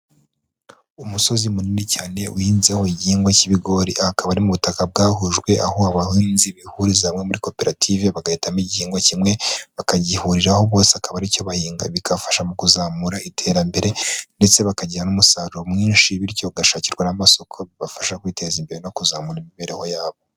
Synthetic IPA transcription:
umuso̞zimuninicaːne̞ʔuhiːnzeho̞iɟihiːŋɡwaciβiɡo̞ɾiʔakaβaɾimuβutakab̚ɡaːɦuʒɡwe̞ʔa̰hoaβahinziβihuɾizamŋe̞muɾiko̞pe̞ɾatʰiveβaɡahitamiɟihiːŋɡwacimŋe̞βakaɟihuɾiɾaho̞βo̞ːseakaβaɾico̞βahiːŋɡa̰βikʰafḁʃamukuzaːmuɾaitʰe̞ːɾambe̞ɾe̞nde̞t͡se̞βakaɟiɾanumusaːɾuɾomŋiːnʃiβiɾico̞uɡaʃaːciɾɡwanamaso̞kʰo̞βiβafḁʃakwiːte̞zimbe̞ɾeno̞kuzaːmuɾimiβeɾeho̞jaːβo

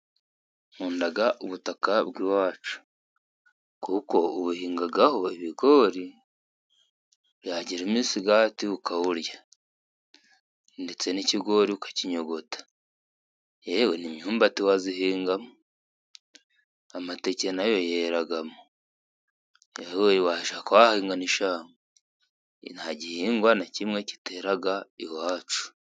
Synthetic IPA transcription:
muːndaɡaʔoβutakaβɡiwaːt͡ʃu̥ | kuko̞oβuhiːŋɡaɡaho̞eβiɡo̞ːɾi | βjaɟiɾemiːsiɡatiukawuɾja | ndet͡se̞niciɡo̞ɾiukḁciɲo̞ɡo̞tḁ | ewenimɲuːmbatiwaziɦiːŋɡamu | amatecenajo̞jeɾaɡamu | ewewaʃakawahiːŋɡaniʃaːŋo | nhaɟihiːŋɡwanacimŋe̞ci̥teɾaɡaiwaːt͡ʃu̥

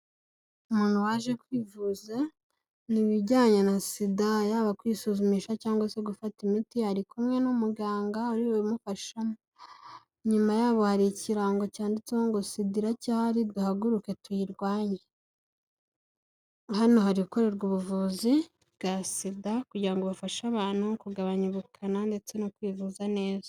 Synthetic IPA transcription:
umuːn̥huwaːʒe̞kwiːvuze | niβiɟaːɲenasidajaːβakwiːsuzumiʃacaːŋɡwase̞ɡufatimitihaɾikumŋe̞nomuɡaːŋɡauɾiwemufaʃomo | ɲumajaːβo̞haɾiciɾaŋɡo̞caːndit͡seoŋɡosidiɾacahaɾiduhaɡuɾuke̞twiɾɡwaːɲe | hano̞haɾiuko̞ɾe̞ɾɡuβuvuːzi | bɡasidakuɟiɾaŋɡoβafaʃaβaːn̥hukuɡaβaɲuβukʰanande̞t͡se̞nokwiːvuzane̞ːzḁ

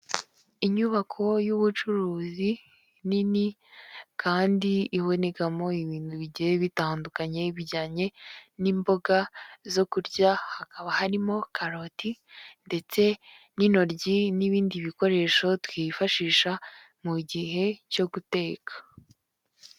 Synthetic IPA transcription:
iɲuβakʰo̞juβut͡ʃuɾuːzi | nini | kaːndiːβo̞ne̞kamo̞iβiːnduβiɟieβitaːndukaɲe̞βiɟaːɲe̞niːmbo̞ɡazo̞kuɾɟahakaβahaɾimo̞kʰaɾo̞tinde̞t͡se̞ | nino̞ɾɟiniβiːndiβiko̞ɾe̞ːʃo̞twiːfaʃiːʃa | muɟiɦe̞co̞ɡute̞ːkʰḁ

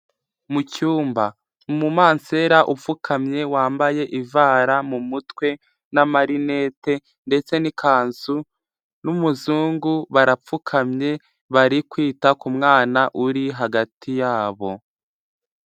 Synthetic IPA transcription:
mucuːmba | mumaːnseɾaʔufukʰamɲe̞waːmbaje̞ʔivaːɾamumutwe̞ | namaɾine̞ːte̞ | nde̞t͡se̞nikʰaːnzu | numuzuːŋɡuβaɾap͡fukʰamɲe̞ | βaɾikwiːtakumŋaːnaʔuɾiɦaɡatʰijaːβo̞

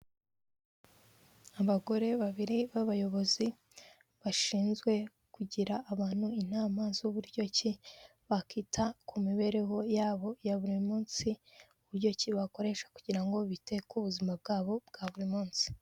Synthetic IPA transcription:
aβaɡo̞ɾe̞βaβiɾiβaβajo̞βo̞zi | βaʃiːnzɡwe̞ | kuɟiɾaʔːβaːn̥huinaːmaːnziuβuɾɟo̞ci | βakitʰakʰumiβe̞ɾe̞ɦo̞jaːβo̞jaβuɾimuːnsi | uβuɾɟociβako̞ɾe̞ʃḁkuɟiɾaŋɡo̞βite̞kuβuzimab̚ɡaːβo̞b̚ɡ̥aβuɾimuːnsi̥

